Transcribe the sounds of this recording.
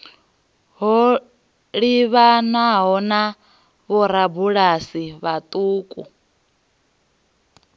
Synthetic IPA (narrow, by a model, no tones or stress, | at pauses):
ɦɔ | ɺiβanaɦɔna | βɔɾabuɺasiβat̪ʼuːkʼṵ